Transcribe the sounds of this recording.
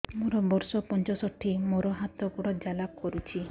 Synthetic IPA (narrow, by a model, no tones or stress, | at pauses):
muɾɔbɔɾsɔpɔnt͡ʃɔsɔʈʰːimoɾɔɦat̪ɔpuɽɔd͡ʒalakkɔɾut͡ʃʰi